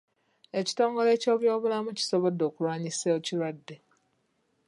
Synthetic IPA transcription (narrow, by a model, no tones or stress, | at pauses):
e̞ci̥to̞ːŋɡo̞le̞ːco̞ːβjo̞ːβulamuci̥so̞βo̞dːo̞ːkulwaːɲiseociɾwadːe̞